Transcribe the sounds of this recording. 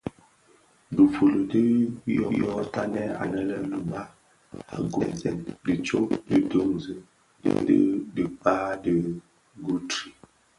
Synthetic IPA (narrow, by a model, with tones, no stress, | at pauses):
du˨fu˨lo˨də˦jɔ˦jɔ˦ta˦nɛ˦a̰˨nɛ˦lɛ˦lu˨ba˦ | a̰˨ɡɛ˨zɛ˨ndi˨t͡ʃo˦də˨do˦ŋzə̰˨ | də̰˦də˨k͡pa˦də˨ | ɡu˦tɾi˨